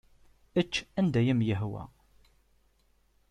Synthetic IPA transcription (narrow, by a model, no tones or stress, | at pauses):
ət͡ʃːænd̪æjəmjəɦwæ̰